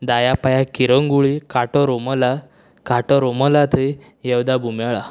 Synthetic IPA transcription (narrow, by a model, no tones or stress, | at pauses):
d̪ajapajakiɾəŋɡuɭikaʈɔɾoməla | kaʈɔɾoməlat̪ʰəj | jewd̪abʱumaɭa